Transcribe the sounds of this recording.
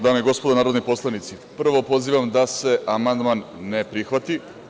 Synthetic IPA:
d̪aːmeiɡo̞spod̪onaːɾod̪nipo̞slˠanit̪si | pr̩ʋo̞po̞ziːʋamd̪ase̞ʔamand̪manːe̞pɾixʋat̪i

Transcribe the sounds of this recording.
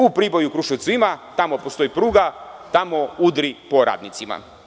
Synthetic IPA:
upɾibo̞jukɾuʃet̪suimat̪amopost̪o̞jipɾuːɡat̪amo̞ud̪ɾipo̞ɾa̰ːd̪nit̪sima̰

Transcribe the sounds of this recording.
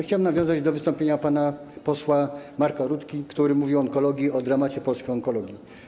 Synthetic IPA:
xt͡ɕawɛmnavjɔ̃zad͡ʑd̪ɔvɘst̪ɔ̃mpʲeɲapana | pɔswamaɾkaɾut̪kʲikt̪uɾɘmuvʲiwɔɔŋkɔlɔɡʲjiɔd̪ɾamat͡ɕɛpɔlskʲijɔŋkɔlɔɡʲi

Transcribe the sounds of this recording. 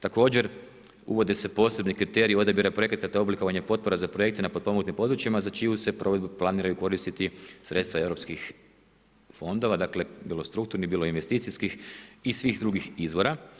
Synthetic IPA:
t̪ako̞ːd͡ʑe̞ɾ | ṵʋo̞d̪ese̞po̞ːse̞bnikɾit̪e̞ɾio̞d̪abiɾapɾo̞ekɾet̪at̪eobliko̞ʋaɲepo̞t̪̚po̞ɾazapɾoje̞k̚t̪enapo̞d̪̚pomoɡt̪impo̞d̪ɾut͡ʃimazat͡ʃijuse̞pɾoʋed̪buplˠaniːɾajuko̞ɾist̪it̪isɾe̞t̪st̪ʋaeʋɾo̞pskix | fo̞nd̪o̞ʋad̪akle̞bilo̞st̪ɾukt̪uɾnibiːlˠo̞inʋe̞st̪iːt̪siskixisʋixd̪ɾuɡixizʋo̞ɾa

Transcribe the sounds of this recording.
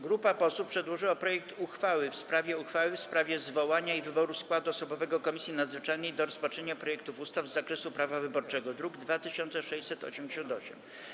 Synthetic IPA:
ɡɾupapɔsuppʂɛd̪wɔʐɘwapɾɔjɛk̚t̪uxfawɘfspɾavʲjɛuxfawɘfspɾavʲjɛzvɔwaɲaivɘbɔɾuskwad̪uɔsɔbɔvɛɡɔkɔmʲisʲjinad̪zvɘt͡ʂajnɛjd̪ɔɾɔspat͡ʂɛɲapɾɔjɛk̚t̪ufust̪avzːakɾɛsupɾavavɘbɔɾt͡ʂɛɡɔd̪ɾuɡd̪vat̪ɘɕɔnt̪sɛʂɛɕt͡ɕsɛt̪ɔ̰ɕɛmd͡ʑeɕɔnt̪ɔɕɛ̰m

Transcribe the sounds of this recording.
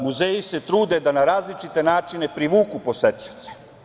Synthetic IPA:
muzeːjise̞t̪ɾuːd̪e̞d̪anaɾaːzlit͡ʃit̪e̞naːt͡ʃine̞pɾiʋuːkupo̞set̪ʎʲi̥t̪se̥

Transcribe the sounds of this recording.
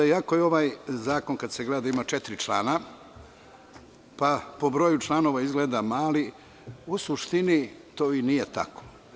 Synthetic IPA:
ako̞jeo̞ʋajzaːko̞nkad̪seɡled̪ad̪aimat͡ʃet̪ɾit͡ʃla̰ːna | papo̞bɾo̞jut͡ʃlˠano̞ːʋaizɡled̪amaːli | usuʃt̪init̪oːinijet̪a̰ko̥

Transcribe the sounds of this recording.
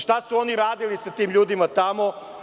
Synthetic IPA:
ʃt̪asuo̞niɾaːd̪ilisat̪iːmʎuːd̪imat̪amo

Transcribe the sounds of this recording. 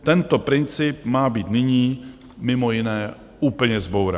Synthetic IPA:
t̪ɛnt̪opɾɪnt͡sɪp̚maːbiːt̪nɪɲiː | mɪmojɪnɛː | uːpl̩ɲɛzbowɾɛ̰

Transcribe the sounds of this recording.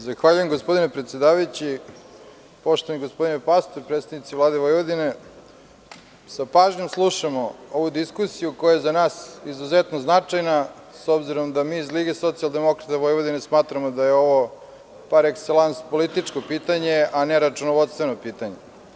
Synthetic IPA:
zaxʋaʎujemɡospod̪inepɾet̪sjed̪aːʋajut͡ɕi | po̞ʃt̪oaniɡospd̪inepast̪oɾpɾet̪st̪avnit̪sivlˠaːd̪eʋojʋod̪ine̞ | sapaːʒɲe̞mslˠuʃamooʋud̪iskusijukojajezanaːsizuzet̪noznat͡ʂajna | sobziɾomd̪amiːzliɡeso̞t̪sialˠd̪e̞mo̞kɾat̪aʋojʋod̪inesmaːt̪ɾamod̪ajeo̞ʋo̞ | paɾekselˠanspolit̪it͡ʂkopiːt̪aɲeaneɾat͡ʂunoʋo̞d̪st̪ʋenopiːt̪aɲe

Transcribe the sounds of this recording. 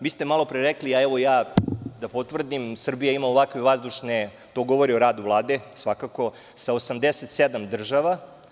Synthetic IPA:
ʋiːst̪emalo̞pɾeɾekliaɛʋo̞jaːd̪apot̪vr̩d̪imsr̩bijaimaoʋakʋeʋazd̪uʃne | t̪o̞ɡo̞ʋo̞ɾio̞ɾaːd̪uvlˠaːd̪esʋakako̞ | saosamd̪eset̪sed̪amd̪r̩ʒaʋa

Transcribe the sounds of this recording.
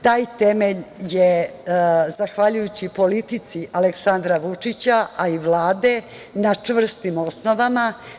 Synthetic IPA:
t̪aːjt̪emeʎje | zaxʋaʎujut͡ɕipo̞lit̪it̪siʔaleksand̪ɾaʋut͡ʂit͡ɕaaiʋlˠaːd̪e̞ | nat͡ʂvr̩st̪imo̞sno̞ʋama

